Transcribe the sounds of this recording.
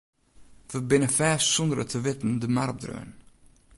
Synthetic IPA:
fəbɪnəfɛːsund̪ɾə̰t̪ʰəvɪt̪n̩d̪əmaɾbd̪ɾœ̰ːə̰n

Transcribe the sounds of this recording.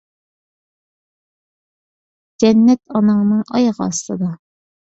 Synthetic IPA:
d͡ʒɛnːɛt̪ɑnɨŋnɨŋɑjʁɑːst̪ˠɑd̪ɑ

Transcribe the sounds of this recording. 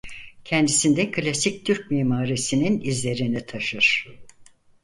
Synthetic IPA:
cʰɛnd̪isind̪ɛkʰɯlʲasic̚t̪ʰyɾc̚miːmaːɾisininizlʲe̞ɾinit̪ʰaʃɯɾ̥

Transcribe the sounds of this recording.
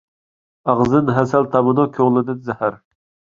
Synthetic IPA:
ɑʁzɨnɦɛsɛlt̪ʰɑmɨnukʲʰoʁlˠɨd̪ɨnzɛhæɾ

